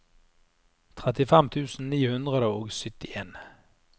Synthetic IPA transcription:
t̪ʰʁɛt̪ɪfɛmt̪ʰʉːsn̩niːhʉnd̪ʁəd̪əoːɡsʏt̪ɪʔeːn

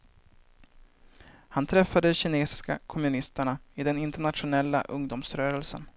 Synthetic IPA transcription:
hant̪ʰɾɛfːad̪əɕɪneːsɪ̥ska̰kʰɔmɵnɪst̪əɳaɪd̪ɛnɪnt̪əɳat̪ɧʊnɛlːa̰ʔɵŋd̪ʊmsɾœːɾɛlsə̰n

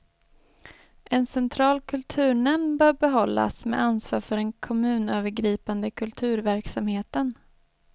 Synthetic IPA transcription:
ʔɛnsɛnt̪ʰɾɑːlkʰɵlt̪ʰʉ̟ːɳɛmnbœːɾbɛɦɔlːa̰smɛ̰ʔansvɑːɾfœɾɛnkʰɔmʉ̟ːnøːvəɾɡɾiːpand̪əkʰɵlt̪ʰʉ̟ːɾvæɾksamheːt̪ən

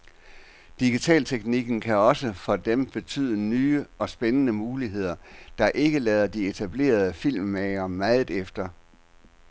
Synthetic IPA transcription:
d̥iɡ̥it͡sʰɛ̰ːlt͡sʰeɡ̥niɡ̥n̩kʰæɒ̽səfɒ̽d̥emb̥e̝t͡sʰy̰ːð̞ˠənyːəɒ̽sb̥enənəmuːliɦe̝ð̞̰ˠɐd̥ɑ̈ʔe̝ɡ̥əlɛːð̞ˠɐd̥ie̝t͡sʰæb̥le̝̰ːɐð̞ˠəfil̰mːɛɪɐmæð̩ˠefd̥ɐ

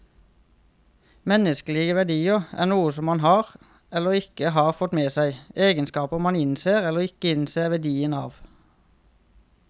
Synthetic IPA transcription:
mɛnəsklɪɡəʋæʁd̪iːəʔæ̰ːʁnuːəsɔmːɑnhɑːʁ | ɛləʁɪkəhɑːʁfɔt̪meːsæɪeːɡənskɑːpəmɑnɪnseːʁɛləʁɪkəɪnseːʋæd̪iːənɑ̰ːʋ

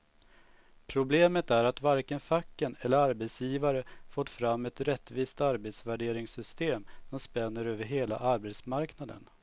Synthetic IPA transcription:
pʰɾʊbleːmət̪æɾat̪vaɾkənfakːənɛlːəɾaɾbɛt̪sjiːvaɾəfoːt̪fɾamːɛt̪ɾɛt̪ːviːst̪aɾbɛt̪svæɖeːɾɪŋsʏst̪eːmsɔmspɛnːəɾøːvəɾɦeːla̰ʔaɾbet̪smaɾknad̪ə̰n

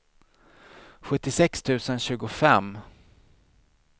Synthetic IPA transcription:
ɧɵt̪ːɪsɛkst̪ʰʉ̟ːsənɕʉ̟ːɡʊfɛm

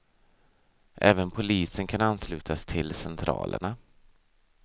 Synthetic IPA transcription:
ʔɛːvənpʰʊliːsənkʰananːslʉ̟ːt̪ʰast̪ʰɪlsɛnt̪ʰɾɑ̰ːlʔə̰ɳa

